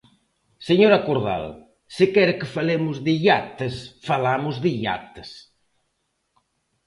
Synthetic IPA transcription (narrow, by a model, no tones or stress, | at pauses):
seɲoɾakoɾða̰l | sɪkɛɾkɪfalemʊzðɪʎat̪esfalamʊzðiʎa̰t̪ɪ̥s